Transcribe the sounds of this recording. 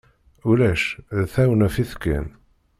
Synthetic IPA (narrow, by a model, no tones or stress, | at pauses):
ʊlæʃðθæwənæfiθkːæ̰n